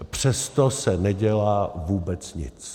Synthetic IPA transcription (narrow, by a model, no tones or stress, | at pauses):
pr̝̥ɛst̪osɛnɛɟɛlaːvuːbɛt͡sɲɪ̰t͡s